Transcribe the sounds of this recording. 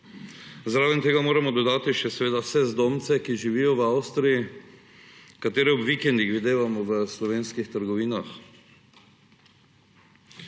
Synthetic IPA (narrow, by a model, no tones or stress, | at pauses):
zɾaːvɛnt̪eːɡamoːɾamɔd̪ɔd̪aːt̪iʃɛsɛʋeːd̪awsɛzd̪oːmt̪sɛkiʒiʋiːjɔwawst̪ɾiji | kat̪eːɾɛɔbʋikɛnd̪ixʋid̪eːʋamɔʋəslɔʋeːnskixt̪əɾɡɔʋiːnax